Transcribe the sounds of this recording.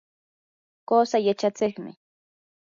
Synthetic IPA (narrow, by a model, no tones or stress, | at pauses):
koːsajat͡ʃat͡sɪχmɪ̰